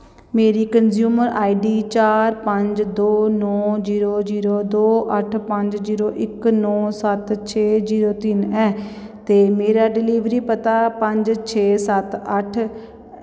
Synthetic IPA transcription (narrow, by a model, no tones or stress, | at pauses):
meːɾiːkənzjuːməɾaːiɖiːt͡ʃaːɾpəɲd͡ʒd̪oːnɔːziːɾoːziːɾoːd̪oːʔəʈʰpəɲd͡ʒd͡ʒiːɾoːʔɪknɔːsət̪t͡ʃʰeːd͡ʒiːɾoːt̪ɪnɛːt̪eːmeːɾaːɖɪliːʋɾiːpət̪aːpəɲd͡ʒt͡ʃʰeːsət̪əʈʰ